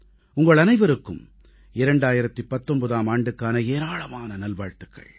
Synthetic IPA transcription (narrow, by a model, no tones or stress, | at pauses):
ʊŋɡɐɭɐnɐɪʋɐɾɯkːɯ̰m | ɪɾɐɳɖaːjɪɾɐt̪ːipɐt̪ːɔmbɐðaːmaːɳɖɯkːaːnɐeːɾaːɭɐmaːnɐnɐlʋaːɻt̪ɯ̥kːɐ̰ɭ